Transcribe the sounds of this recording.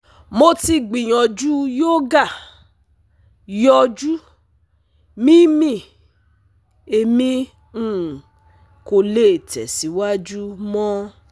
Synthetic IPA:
mo˧ti˧ɡ͡bĩ˨j̃ɔ̃˨d͡ʒu˦jo˦ɡa˦˨ | jɔ˧d͡ʒu˦ | mĩ˦mĩ˦˨ | e˧mĩ˧˦˨ | ko˧le˦e˨tʰɛ̰˨si˨˦wa˦d͡ʒu˦mɔ̃˦

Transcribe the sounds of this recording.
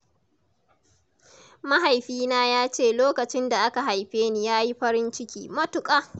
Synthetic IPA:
ma˦ɦa˨jɸiː˦naː˦jaː˦t͡ʃeː˦˨loː˦kɐ˨t͡ʃɪ˦nda˨ʔa˦ka˨ɦa˨jɸeː˦niː˦jaː˦ji˦ɸɐ˦ɾɪ˦nt͡ʃɪ˦kʲḭː˦mɐ˦tʊ˨kʼaː˦

